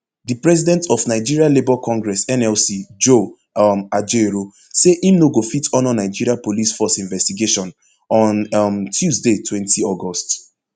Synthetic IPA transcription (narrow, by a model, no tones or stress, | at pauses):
dipɹɛzidɛ̃ntɔfnaɪd͡ʒiɹialebɔkɔ̃ŋɡɹɛsɛ̃nɛlsid͡ʒo | ad͡ʒeɾo | seʔĩmnoɡofitʰɔ̃nɔnaɪd͡ʒiɹiapolisfɔsĩɱvɛstiɡeʃɔ̃n | ɔ̃nmtʰjuzdetʰwɛ̃ntiɔɡɔst